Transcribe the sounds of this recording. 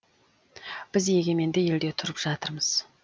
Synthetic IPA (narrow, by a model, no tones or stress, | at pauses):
b̥ɪze̞ɡʲe̞me̞nd̪eje̞ld̪e̞t̪ʰʊɾəpʒ̥ɑt̪əɾməz̥